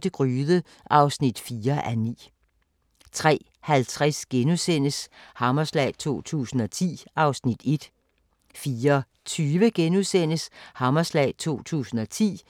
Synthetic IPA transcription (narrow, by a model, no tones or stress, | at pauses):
d̥eɡ̥ʁyːðˠə | ʔɑ̈ʊsnid̥fiːɐʔænḭː | t͡sʰʁɛ̰ː | hælt͡sʰʁasɡ̥enusen̰əshɑ̈mɐslɛ̰ɪt͡sʰo̝̰ːt͡sʰṵːsn̩ɒ̽t͡sʰḭːʔɑ̈ʊsnid̥e̝d̥ | fiːɐ | t͡sʰyːʋəɡ̥enusen̰əshɑ̈mɐslɛ̰ɪt͡sʰo̝̰ːt͡sʰṵːsn̩ɒ̽t͡sʰḭː